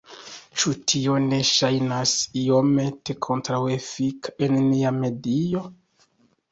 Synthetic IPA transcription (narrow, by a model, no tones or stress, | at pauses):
t͡ʃutʰio̞ne̞ʃajnasiome̞te̞kʰo̞ntɾawefikaenniame̞dio̞